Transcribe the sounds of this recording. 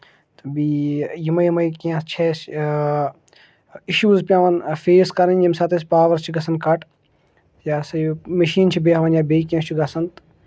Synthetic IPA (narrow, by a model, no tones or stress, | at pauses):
t̪ɐbiːjimɐjimɐikiãst͡ʃʰeːs | iʃuːzpʲjãːʋɐnfeːskɐɾɐnʲɐmsɐːt̪espaːʋɐɾt͡ʃʰiɡɐsɐnkɐʈ | jaːsɐmɐʃiːnt͡ʃʰibeɐʋɐnjaːbeikijãst͡ʃʰuɡɐsɐnt̪